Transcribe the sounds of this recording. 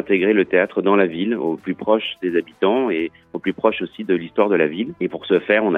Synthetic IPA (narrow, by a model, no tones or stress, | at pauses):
ɛ̃t̪eɡʁelət̪eat̪χəd̪ɑ̃laviloplypχɔʃd̪ezabit̪ɑ̃e | oplypχɔʃosid̪əlist̪waʁd̪əlavilepuʁsəfɛːʁɔ̃na